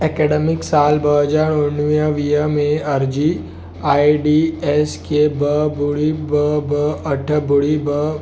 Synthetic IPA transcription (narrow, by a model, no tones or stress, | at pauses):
ekeɖemɪksaːlbəɦd͡ʒaːɾʊnʋijə̃ʋijəmẽɐɾd͡ʒi | aːiɖieskebəbʊɽibəbəəʈʰbʊɽibə